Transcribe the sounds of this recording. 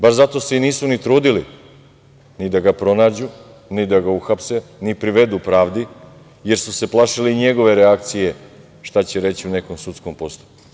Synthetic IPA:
baɾzat̪o̞se̞iniːsunit̪ɾuːd̪ili | nid̪aɡapɾo̞naːd͡ʑu | nid̪aɡauxapsenipɾiʋe̞d̪upɾaːʋd̪i | je̞ɾsuse̞plˠaʃiliiɲe̞ɡo̞ʋe̞ɾeakt̪sije̞ | ʃt̪at͡ɕeɾe̞t͡ɕiune̞ko̞msut̪sko̞mpo̞st̪u̥

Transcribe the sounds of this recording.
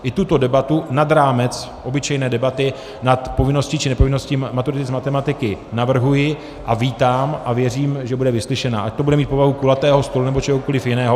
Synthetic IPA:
ʔɪt̪ut̪o̞dɛbat̪unad̪ɾaːmɛt͡s | ʔo̞bɪt͡ʃɛjnɛːdɛbat̪ɪ | nat̪po̞vɪno̞scit͡ʃɪnɛpo̞vɪno̞scimat̪uɾɪt̪ɪzmat̪ɛmat̪ɪkɪnavr̩ɦujɪ | ʔaviːt̪aːmʔavjɛriːmʒɛbudɛvɪslɪʃɛna̰ːʔaʃt̪obudɛmiːt̪̚po̞vaɦukulat̪ɛːɦo̞st̪olunɛbo̞t͡ʃɛɦokolɪfjɪnɛːɦo

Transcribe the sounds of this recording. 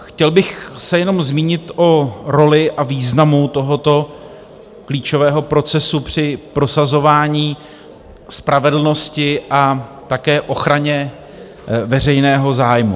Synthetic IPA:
xcɛlbɪxsɛjɛno̞mzmiːɲɪt̪ʔoɾo̞lɪʔaviːznamut̪o̞ɦo̞t̪o̞ | kliːt͡ʃo̞vɛːɦo̞pɾo̞t͡sɛsupr̝̥ɪpɾo̞sazo̞vaːɲiː | spɾavɛdl̩no̞scɪʔat̪akɛːʔo̞xɾaɲɛ | vɛr̝ɛjnɛːɦo̞zaːjmṵ

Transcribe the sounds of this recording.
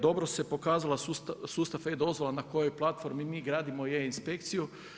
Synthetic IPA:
d̪o̞bɾose̞po̞kaːzalˠasust̪sust̪afejd̪o̞zʋo̞lˠanako̞jo̞jplˠat̪fo̞ɾmimiːɡɾaːd̪imo̞jeinspekt̪siju

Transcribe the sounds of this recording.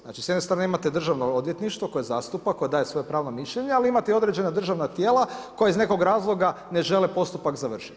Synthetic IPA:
zna̰ːt͡ʃisjd̪nest̪ɾaːneimat̪ed̪r̩ʒaʋnood̪je̞t̪niʃt̪ʋoko̞jeza̰ːst̪upakːo̞jed̪aːjesʋo̞jepɾaːʋno̞miʃʎeɲealiimat̪eio̞d̪ɾe̞d͡ʒe̞nad̪r̩ʒaʋnat̪jeːlako̞jaizne̞ko̞ɡɾaːzlˠo̞ɡa | ne̞ʒe̞lepo̞st̪upakzaʋr̩ʃi̥t̪

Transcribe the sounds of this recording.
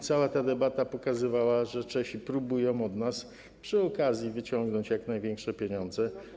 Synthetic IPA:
t̪sawat̪ad̪ɛbat̪apɔkazɘvawaʐɛt͡ʂɛɕipɾubujɔ̃w̃ɔd̪nas | pʂɘɔkazʲjivɘt͡ɕɔŋɡnɔɲt͡ɕjaknajvʲjɛŋkʂɛpʲjeɲɔnd̪zɛ

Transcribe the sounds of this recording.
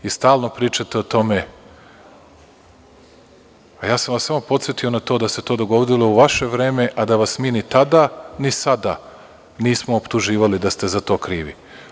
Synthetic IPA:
ist̪aːlˠno̞pɾiːt͡ʃat̪e̞ot̪o̞me̞ | ajaːsamʋasamo̞po̞t̪sjet̪io̞nat̪o̞d̪aset̪o̞ːd̪o̞ɡoʋod̪ilˠo̞uʋaʃe̞ʋɾe̞ːme̞ʔad̪aʋasmiːnit̪ad̪anisad̪a | niːsmoːpt̪uʒiːʋalid̪ast̪e̞zat̪o̞ːkɾiːʋḭ

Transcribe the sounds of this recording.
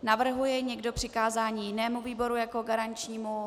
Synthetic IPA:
navr̩ɦujɛɲɛɡdo̞pr̝̥ɪkaːzaːɲiːjɪnɛːmuviːbo̞ɾujako̞ɡaɾant͡ʃɲiːmu

